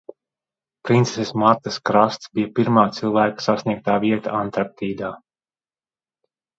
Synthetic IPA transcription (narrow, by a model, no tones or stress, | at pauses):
pɾint̪sesesmaɾt̪askɾast̪sbijapiɾmaːt̪sɨlˠvæːkḁsasnʲiɛk̚t̪aːvʲiɛt̪aant̪aɾt̪iːd̪aː